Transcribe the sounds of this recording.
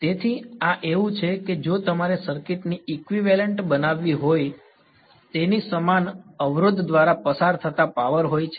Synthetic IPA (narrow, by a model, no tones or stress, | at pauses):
t̪et̪ʰiaʔeʋũt͡ʃʰeked͡ʒot̪əmaɾesəɾkɪʈniikʋiʋɛləɳʈbənaʋːiɦoj | t̪enisəmanəʋɾod̪ːʋaɾapəsaɾt̪ʰət̪apaʋəɾɦojt͡ʃʰe